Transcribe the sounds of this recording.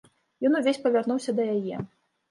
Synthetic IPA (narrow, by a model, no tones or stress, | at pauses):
jɔnuvʲesʲpɐvʲarnuwsʲɐd̪ɐjajɛ